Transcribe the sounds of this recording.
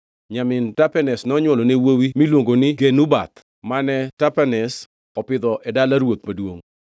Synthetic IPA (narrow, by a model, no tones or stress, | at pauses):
ɲamɪntapɛnɛsnɔɲwɔlɔnewowimilwoŋɡonɪɡenubat̪ | manɛtapɛnɛs | ɔpɪd̪ɔʔɛdalaɾwot̪madwoŋ